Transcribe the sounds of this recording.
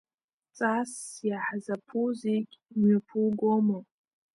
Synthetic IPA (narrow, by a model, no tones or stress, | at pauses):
t͡sʼasjaħazapʰuzekʲʼmɥapʰuɡʷomo